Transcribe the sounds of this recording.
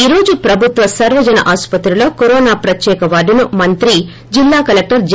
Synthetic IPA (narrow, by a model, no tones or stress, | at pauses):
iɾo̞ːd͡ʒupɾɐbʱut̪ʋɐsɐɾʋɐd͡ʒɐnɐ̰ʔaːspɐt̪ɾilo̞ːkoɾɔːnaːpɾɐt̪jɛːkɐʋaːɖunumɐnt̪ɾi | d͡ʒilːaːkɐlek̚ʈɐɾd͡ʒ